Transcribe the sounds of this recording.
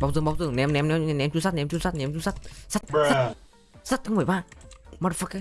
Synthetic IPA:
ɓa˨˧˩wt̪ɓa˧˨˩t̪ɨ˧˩˨ŋnɛ˨˧˦mnɛ˨˧˦mnɛ˧˦˧nɛ˧˦mt͡ɕu˧˦sa˦˥t̚nɛ˧˦mt͡ɕu˧˦ŋ͡msa˦˥t̚nɛ˧˦mt͡ɕu˧˦sa˦˥t̚sa˦˥t̚sa˦ | sa˦˥t̚t̪ʰaː˨˧˦mə˧˩˨ɓaː˧˩mɔ˧˩˧fa˧ka˧˦

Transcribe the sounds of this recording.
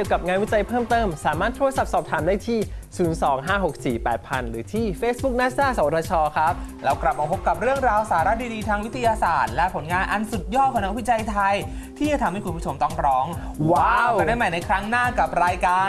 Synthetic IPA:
ki˨˩əwka˨˩p̚ŋaː˧nwi˦˥t͡ɕa˧jpʰɤː˥˩mt̪ɤː˥˩msaː˩˦maː˥˩t̪ʰːu˧ətsa˨˩p̚sɔː˨˩p̚t̪ʰaː˩˦mdaː˥˩jt̪ʰiː˥˩suː˩˦nsɔː˩˦ŋɦaː˥˩ɦo˨˩k̚siː˨˩pɛː˨˩t̪̚pʰa̰˧nɾɯː˩˦t̪ʰiː˥˩feː˦˥s̚bu˦˥k̚naː˥ssaː˥˩sa˨˩˦wt̪̚ʰːɔː˧˩t͡ɕʰɔː˧kʰɾa˦˥p̚lɛː˦˥wkla˨˩p̚ma˧pʰo˦˥p̚kːa˨˩p̚ɾɯ˥˩əŋɾaː˧wsaː˩˦ɾa˦˥diː˧diː˧t̪ʰaː˧ŋwi˦˥t̪ʰi˧jaː˧sa̰ː˨˩t̪̚lɛ˦˥pʰo˩˦nŋaː˧nʔa˧nsu˨˩t̪̚jɔː˥˩t̪̚kʰɔ˨˦na˧˥k̚wi˦˥t͡ɕa˧jt̪ʰa˧j | t̪ʰiː˥˩t͡ɕa˨˩t̪ʰa˧mha˥˩jkʰu˧nkʰu˥˩o˧mt̪ɔ˥˩ŋɾɔː˦˥ŋ | waː˧˥˨wdaː˥˩ma˨˩jna˧jkʰɾa˦˥ŋnaː˥˩ka˨˩p̚ɾaː˧jkaː˧

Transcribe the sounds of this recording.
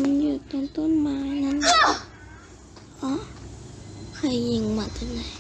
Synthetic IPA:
ma˧˥˨njuː˧˩t̪ɔ˧˨nt̪o˧˥˨nmaː˧ŋa˧˥˨n˧˩ | ʔɔ˧˥ | kʰa˧˩jji˧˩˨ŋma˧˩t̪a˧˩na˧˩˨

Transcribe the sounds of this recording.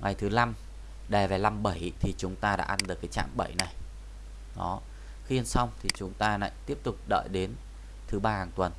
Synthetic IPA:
ŋa˨˩jt̪ʰɨ˨˦la˧m | ɗɛ˨˩vɛ˨˩la˧mɓə˧˩jt̪ʰi˨˩t͡ɕʊ˨˦ŋ͡mt̪aː˧ɗa̰ː˧˥ʔa˧nɗɨ˨˩əkːjt͡ɕa̰ː˧˨mɓə˧˩˨jna˨˩j | ɗɔ˨˦ | xi˧ə˧nsa˧wŋ͡mt̪ʰi˨˩t͡ɕʊ˨˦ŋ͡mt̪aː˧la̰ː˧˨jt̪i˦˥əp̚t̪ʊ˨˩k͡p̚ɗə̰ː˧˨jɗe˨˦n | t̪ʰɨ˨˦ɓaː˧haː˨˩ŋt̪wə˨˩n

